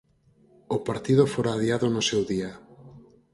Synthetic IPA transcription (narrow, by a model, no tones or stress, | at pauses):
ʊpaɾt̪ið̞ʊfoɾaːðiaðonʊsewðia